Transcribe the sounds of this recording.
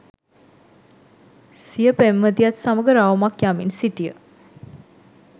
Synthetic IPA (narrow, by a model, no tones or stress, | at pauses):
sijəpemːəd̪ijat̪saməɡəɾaʋmakjaminsiʈijə